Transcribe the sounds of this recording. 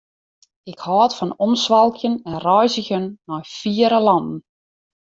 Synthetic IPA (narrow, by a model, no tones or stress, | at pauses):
ɪkhɔːtfɔnɔnsʋɑlˠkʰjənɛnrɔjzəɣənːɔjfiəɾəlɑndn̩